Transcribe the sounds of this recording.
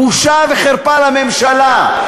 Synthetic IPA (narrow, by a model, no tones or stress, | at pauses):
uʃaveχeʁpalamemʃala